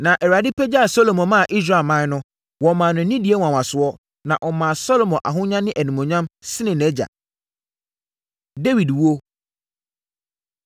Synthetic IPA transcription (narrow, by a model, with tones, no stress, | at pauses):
nã˨ʔɛ˨ɾa˨dɪ˦pʰɛ˦d͡ʑa˦a˨so˦lo˨mɔ̃˨mã˦˨ʔi˦s̬ɾa˦˨lmã˦nʊ̃˦ | wɔ˨mãː˨nʊ̃˨˦nĩ˦di˨˦e˦wã˨wã˨sʊ˨˦ɔ˦ | nã˨ʔɔ˨mã˨sɔ˦lo˨mɔ̃˨ʔa̰˨ɦʊ̃˦ɲã˦nɪ̃˦ʔæ˨nĩ˨mɔ̃˨ɲã˦msɪ˦nɪ̃˨nɛ˦d͡ʑa̰˨ | de˦wi˨dwu˦o˦